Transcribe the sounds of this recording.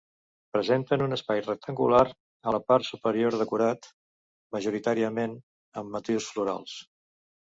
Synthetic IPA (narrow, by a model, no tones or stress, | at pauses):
pɾəzent̪ənunəspajrək̚t̪ʰəŋɡṵlaɾ | ələpaɾt̪supəɾioɾðəkuɾat̪ | məʒuɾit̪aɾiəmen | əmːət̪iwsfluɾa̰lˠs